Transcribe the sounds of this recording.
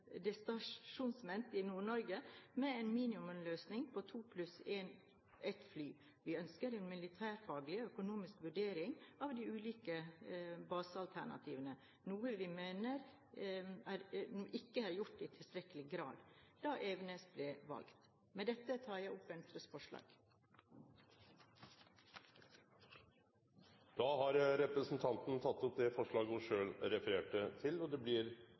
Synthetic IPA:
d̪ɛst̪ɑʂuːnsmɛnt̪ɪnuːɳɔɾɡəmɛenmiːnɪʉmənløːsnɪŋpʰɔt̪ʰuːpʰlʉseːn | ʔɛt̪flyː | ʋɪœnskəɾɛnmɪlɪt̪ʰæːɾfɑːɡlɪɔœkʊnuːmɪskʋʉɖeːɾɪŋɑʋd̪ɪʉːliːkəbɑːsəɑlt̪ʰæ̰ɳɑ̰t̪ʰḭːʋənə | nuːəʋɪmeːnəɾ | æɾnuːʔɪkːəhæɾjʊʈːɪːt̪ʰɪlst̪ɾɛkəlɪɡɾɑ̰ːd̪d̪ɑːʔɛʋnəsblɛʋɑ̰lɡt̪ | mɛd̪ɛt̪ːət̪ʰɑːɾjæɪʊpːɛnt̪ʰɾəsfɔʂɭɑ̰ːɡ̥ | d̪̥ɑːhɑɾɾɛpɾəsn̩t̪ʰɑnt̪nt̪ʰɑt̪ːɔp̚d̪ɛfɔʂɭɑːɡʊʂøːlɾɛfəɾeːʈət̪ʰɪlɔd̪ɛblɪɾ

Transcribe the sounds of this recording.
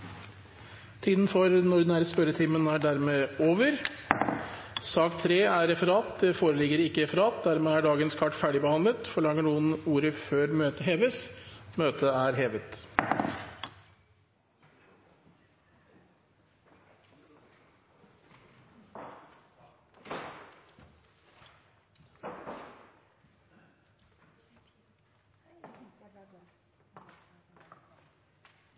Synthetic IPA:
t̪ʰiːd̪n̩fɔɾnɔɖɪnæːɾəspœɾət̪ʰiːmənæɖæɾmeːoːʋəɾ | sɑːkt̪ʰɾeːæɾɛfəɾɑːt̪̚d̪ɛfoːɾəlɪɡəɾɪkːəɾɛfəɾɑːt̪̚d̪æɾmeːæɖɑːɡənskʰɑʈːfæːɖɪbəhɑnd̪lət̪fɔɭɑŋːəɳuːənuːɾəføːɾmøːt̪əɦeːʋəsmøːt̪əæɾɦeːʋət̪

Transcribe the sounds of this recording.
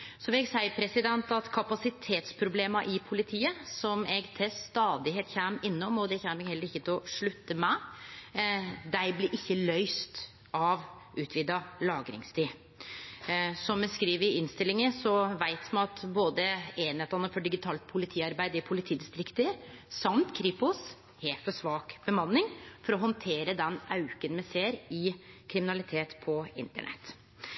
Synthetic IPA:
sɔʋɛɡsæɪpʰɾɛsɪd̪ɛnt̪ɑt̪kʰɑpɑsɪt̪ʰeːt̪spʰɾʊbleːmɑʔɪpʰʊlɪt̪ʰiːəsɔmɛɡt̪ʰɛst̪ɑːd̪ɪheːt̪çæmɪnːɔmɔd̪ɛçæːmɛɡhɛlːəɾɪçːət̪ʰɪɔʂɭʉt̪ːəmæ | d̪æɪblɪɾʔɪçːəlœʏst̪ | ɑʋ | ʔʉːt̪ʰʋiːd̪ɑlɑːɡɾɪ̰ŋst̪ʰiː | sɔmːɛskɾiːʋəɪnst̪ɪlɪŋəsɔʋæɪt̪mɛɑt̪boːd̪əeːnɛt̪ɑnːəfɔɖɪɡɪt̪ʰɑːlt̪̚pʰʊlɪt̪ʰiːɑɾbæɪd̪əɪpʰʊlɪt̪ʰiːd̪ɪst̪ɾɪkt̪əɾ | sɑmt̪kʰɾiːpʊs | heːfɔʂʋɑːkb̥əmɑnːɪŋfɔɾɔɦɔnt̪ʰeːɾəd̪ɛnʔɑʉkənmɛseːɾɪkʰɾɪmɪnɑlɪt̪ʰeːt̪pʰɔɪnt̪ə̰ɳɛ̰t̪ː

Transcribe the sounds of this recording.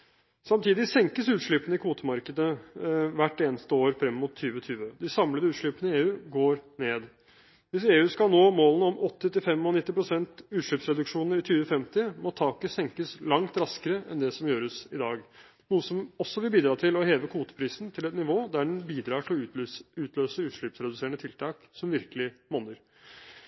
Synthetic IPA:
sɑmt̪ʰiːd̪ɪsɛŋkəsʉːt̪ʂɭʏpənəɪkʰuːt̪əmɑɾkəd̪əʋæʈːeːnəst̪əoːɾfɾɛmːʊt̪ʰːyːʋət̪ʰyːʋəd̪ɪsɑmləd̪əʉːt̪ʂɭʏpənəɪeːʉːɡoːɾneːd̪ | ʋɪseːʉːskɑlnoːmoːlənəɔmʔɔt̪ːət̪ɪlfɛmːɑnɪt̪ːɪpʰɾʊsɛnt̪ʉːt̪ʂɭʏːpsɾɛd̪ʉkʂuːnəɾɪt̪ʰyːʋəfɛmt̪ɪmɔt̪ʰɑːkəsɛŋkəslɑŋt̪ɾɑskəɾəʔɛ̰nd̪ɛsɔmjøːɾəsɪd̪ɑːɡ | nuːəsɔmɔsːɔʋɪlbiːd̪ɾɑːt̪ʰɪlɔheːʋəkʰuːt̪ə̥pʰɾiːsnt̪ʰɪlɛt̪nɪʋoːd̪æɖɛnbiːd̪ɾɑːʈʰɪlɔʉːt̪ʰløːsəʉːt̪ʂɭʏpsɾɛd̪ʉseːəɳət̪ʰɪlt̪ʰɑːk | sɔmʋɪɾkəlɪmoːnəɾ

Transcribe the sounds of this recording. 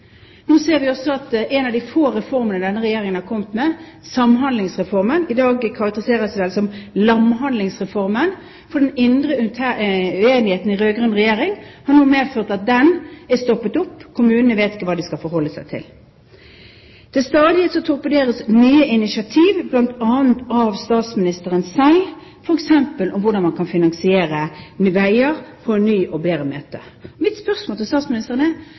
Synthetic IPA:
nuːseːɾʋɪɔsɔɑt̪ʔɛnɑʋd̪ɪfoːɾɛfɔɾmənəd̪ɛnːəɾɛjeːɾɪŋənhɑkʰɔmt̪mɛsɑmɦɑnd̪lɪŋsʁɛfɔʁmənɪd̪ɑːɡkʰɑʁɑk̚t̪əɾɪseːʁəsʋɛlsɔmlɑmɦɑnd̪lɪŋsʁɛfɔʁmən | fɔdɖ̪ɛnɪnd̪ɾəeːnɪheːt̪n̩ɪɾøːɡɾʉnʁɛjeːɾɪŋhɑʁnuːmeːføːʁt̪ɑt̪̚d̪ɛnæst̪ɔpːət̪ʊpːkʰʊmʉːnənəʋeːt̪ɪ̥kːəʋɑːd̪ɪskɑlfɔɾhɔlːəsæɪt̪ʰɪ̰l | d̪̥ɛst̪ɑːd̪ɪhet̪sɔt̪ʰʊʁpəd̪eːɾəsnyːəʔɪnɪʃɑt̪ʰiːʋblɑnt̪ɑːənt̪ɑʋst̪ɑːt̪smɪnɪst̪əʁənsæɪ | fɔɾɛksɛmpəlʔɔmʋʊɖ̪ɑnmɑnkʰɑnfɪnɑŋsɪeːɾəmʋæɪəɾfʰɔɛnːyːʔɔbeːɾəmøːt̪ə̰ɔʋɪt̪spœʁsmoːlt̪ʰɪst̪ɑːt̪smɪnɪst̪əʁənə

